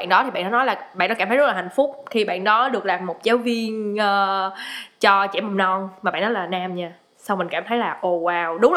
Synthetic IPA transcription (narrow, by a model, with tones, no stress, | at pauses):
nɗɔ˨˦t̪ʰi˨˩ɓa̰˧˨ɗɔ˨˦nɔ˨˦jlaː˨˩ɓaː˧˨nɗɔ˨˦kaː˧˩mt̪ʰə˦ztlaː˨˩ha˧˨jŋ̟fʊ˦˥k͡p̚t̪ʰi˨˧˩ɓa̰ː˧˨nɗɔ˨˦ɗɨ˨˩ək̚laː˨˩mːo˨˩t̚zaː˨˦wvi˧ənʔəː˧˩ | t͡ɕɔ˧t͡ɕɛ̰˧˩ma˨˩mnɔ˧nmaː˨˩ɓa̰ː˧˨nɔ˨˦laː˨˩naː˧mɲaː˧˩ | sa˧wmï˨˩ŋ̟kaː˧˩mt̪ʰə˨˦jlaː˨˩ʔo˧˩waː˧˩wɗʊ˨˦ŋ͡m